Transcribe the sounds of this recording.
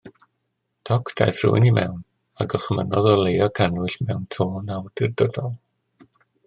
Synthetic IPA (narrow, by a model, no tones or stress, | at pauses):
tʰɔkʰd̥a̰jθr̥ʊ̰ɪ̰nimɛ̰wn | aɡəlˠχmənɔðɔlˠejɔkʰanʊɬmɛwntʰoːnawd̥ɪrdɔdɔlˠ